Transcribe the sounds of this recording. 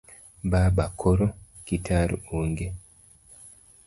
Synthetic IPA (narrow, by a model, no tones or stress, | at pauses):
babakʰoɾo | kitʰaɾuuŋɡe